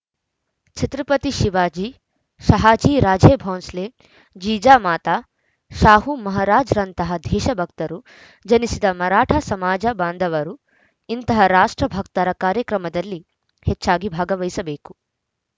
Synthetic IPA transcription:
t͡ʃʰit̪ɾɐpɐt̪iʃiʋaːd͡ʒiː | ʃɐɦaːd͡ʒiːɾaːd͡ʒeːbʱoːnsleː | d͡ʒiːd͡ʒaːmaːt̪aː | ʃaːɦumɐɦɐɾaːd͡ʒɾɐnt̪ɐɦɐd̪ʱɛːʃɐbʱɐkt̪ɐɾu | d͡ʒɐnisid̪ɐmɐɾaːʈʰɐsɐmaːd͡ʒɐbaːnd̪ʱɐʋɐɾu | int̪ɐɦɐɾaːʂʈɾɐbʱɐk̚t̪ɐɾɐkaːɾjɐkɾɐmɐd̪ɐlːi | hɛt͡ʃːaːɡibʱaːɡɐʋɐjisɐbeːku̥

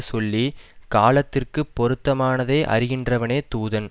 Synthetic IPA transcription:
sɔlːikaːlɐt̪ːɪrkɯpːɔɾɯt̪ːɐmaːnɐðeːʔɐ̰rɪɣɪndrɐʋɐneːt̪uːðɐn

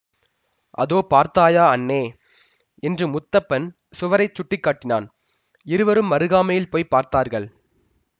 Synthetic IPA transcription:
ʔɐ̰ðoːpaːɾt̪aːjaːɐnːeː | ɛndrɯmʊt̪ːɐpːɐn | sʊʋɐɾɐɪt͡ʃːʊʈːɪkːaːʈːɪna̰ːn | ɪɾɯʋɐɾɯmʋɐɾɯɣaːmɐjɪlpoːjpaːɾt̪aːɾɣɐɭ

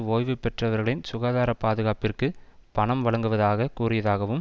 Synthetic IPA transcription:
oːjʋɯpːɛʈrɐʋɐɾɣɐɭɪnsʊɣaːðaːɾɐpaːðɯɣaːpɪrkɯpɐɳɐmʋɐɭɐŋɡɯʋɐðaːɣɐkuːrɪjɐðaːɣɐʋɯm

